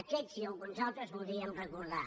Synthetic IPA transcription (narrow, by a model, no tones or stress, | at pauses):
kɛziolɣunzalˠt̪ɾəzβulˠd̪ðɾiəmrəkuɾða